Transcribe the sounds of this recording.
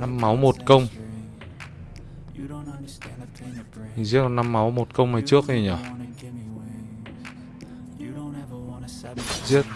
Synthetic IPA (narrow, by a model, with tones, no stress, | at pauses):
na˧mːa˨˦wmo˨˩t̚kə˧wŋ͡m | zi˦˥t̚kɔ˨˩nːa˧mːa˨˦wmo˨˩t̚kə˧wŋ͡mma˨˩jt͡ɕɨ˦˥ək̚ʔi˧˨˩ɲɔ˨˩ | zi˦˥ət̚